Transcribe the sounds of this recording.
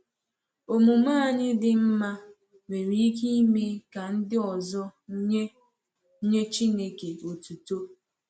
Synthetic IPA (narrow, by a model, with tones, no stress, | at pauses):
o˨mu˨maː˦˨ɲɪ˦dɪ˦m̩˦ma˦ | me˨ɾi˦k̬i˦i˦me˦ka˨n̩˦dɪ˦ɔ˨zɔ˦ | ɲe˦t͡ʃi˦ne˨ke˨o˨tu˨to˦